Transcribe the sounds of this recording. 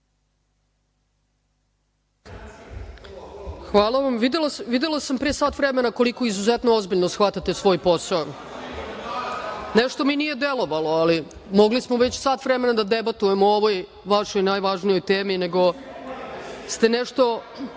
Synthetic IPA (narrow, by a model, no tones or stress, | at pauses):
xʋaːlˠaʋamʋid̪elaʋid̪elˠasampɾeːsaːt̪ʋɾeme̞nako̞liko̞izuzet̪noozbiʎnosxʋat̪at̪esʋo̞ːjpo̞sao | neʃt̪o̞minije̞d̪e̞lo̞ʋalo̞ali | mo̞ɡlismoʋe̞t͡ɕsaːt̪ʋɾeme̞nad̪ad̪ebat̪ujemooʋo̞j | ʋaʃo̞jnaːjʋaʒnijo̞jt̪eːmine̞ɡo̞ | st̪e̞neʃt̪o̞